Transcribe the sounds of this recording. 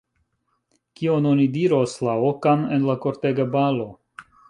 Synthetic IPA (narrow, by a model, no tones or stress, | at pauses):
kiononidiɾoslaokanenlako̞ɾteɡabalo̞